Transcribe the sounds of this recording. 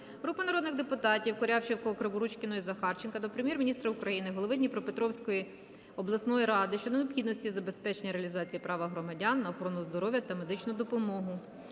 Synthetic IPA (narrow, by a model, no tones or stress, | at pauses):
ɦɾupɐnɐɾɔd̪nɪɣd̪epʊt̪ɑtʲiwkɔɾʲɑwt͡ʃewkɔɔkɾɐbʊɾut͡ʃkɪnɔizɐxɑrt͡ʃenkɐd̪ɔpɾemjɛrmʲinʲist̪ɾɐukɾɐjinɪɦɔlˠɔʋɪdʲnʲipɾɔpet̪ɾɔwsʲkɔji | ɔblˠɐsnɔjiɾɑd̪ɪʃt͡ʃɔd̪ɔneɔpxʲid̪nɔsʲtʲizɐbe̞spɛt͡ʃenʲɐɾeɐlʲizɑt͡sʲijipɾɑʋɐɦɾɔmɐdʲɑnːɐɔxɔɾɔnʊzd̪ɔɾɔʋʲjɐt̪ɐme̞d̪ɪt͡ʃnʊd̪ɔpɔmɔɦʊ